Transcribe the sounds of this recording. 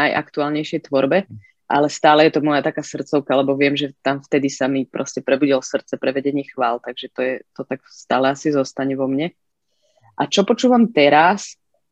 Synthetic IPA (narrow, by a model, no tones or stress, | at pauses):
ajʔa̰kt̪uaːlɲɛjʃɪɛjt̪ʋɔɾbɛ | ʔalɛst̪aːlɛjɛt̪ɔmɔjat̪akaːsr̩tt͡sɔʊkalɛbɔʋɪɛmʒɛt̪amft̪ɛd̪isamipɾʔɔscɛpɾɛbuɟilsr̩t̪t͡sɛpɾɛʋɛɟɛɲɪɛxʋaːlt̪aɡʒɛt̪ɔjɛt̪ɔt̪akst̪aːlɛasizɔst̪aɲɛʋɔmɲɛ | ʔat͡ʃɔpɔt͡ʃuːʋamt̪ɛɾas